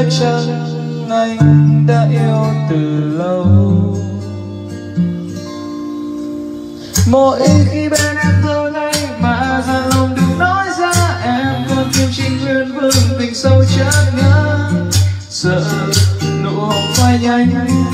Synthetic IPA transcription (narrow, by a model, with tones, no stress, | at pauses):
t͡ɕə˧na˧jɗa̰ː˧ʔi˧əwt̪ɨ˨˩lə˧w | mo˨˩t̚ʔi˧˦xi˧ɓɛ˧ɗa˧nzo˧jna˧jmaː˨˩ʔzaː˧nlə˧˩wŋ͡mɗɨ˨˩k̚nɔ˧˥jzaː˧ʔɛ˧˥mkə˧˩nt̪i˧wt͡ɕï˧ŋt͡ɕəː˧nfɨ˧əŋt̪ï˨˩ŋsə˧wt͡ɕəː˧˥ŋə̰˧˥ | sə̰ː˧˨ | nṵ˧˥kwaː˧jɲa˧jŋ̟